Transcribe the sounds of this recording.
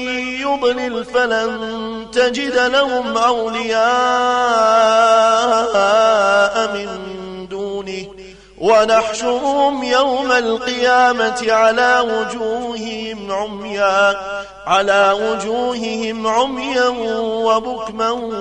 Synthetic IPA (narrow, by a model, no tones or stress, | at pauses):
jʊd̪ˤnɪlfalan | t̪ad͡ʒɪd̪lahʊmʔawlɪjaː | ʔamɪnd̪uːnɪh | wanaħʃʊɾʊhʊmjawmalqɨjaːmat̪ɪʕalaːwʊd͡ʒuːhɪhɪmʕʊmjaː | ʕalaːwʊd͡ʒuːhɪhɪmʕʊmjawabʊkma